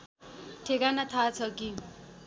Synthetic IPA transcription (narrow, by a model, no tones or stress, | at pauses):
ʈʰekanat̪ʰat͡sʰʌki